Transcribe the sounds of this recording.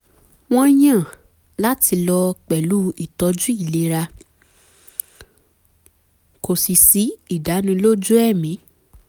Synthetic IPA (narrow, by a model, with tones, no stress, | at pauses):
w̃ɔ̃˦j̃ã˦˨ | la˦ti˧lɔ˧k͡pɛ˨lu˦i˦˨tɔ˧d͡ʒu˦i˦˨le˨˧˦ɾa˧ | ko˨si˨si˨˦i˦˨da˨˦nĩ˧lo˦d͡ʒu˦ɛ˦˨mĩ˨˦